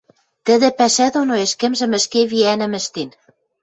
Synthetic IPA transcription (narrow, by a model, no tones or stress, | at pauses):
t̪ə̆ðɘ̆pæʃæd̪onoeʃkɘ̆mʒɘ̆mɘ̆ʃkeβiænɘ̆mɘ̆ʃt̪in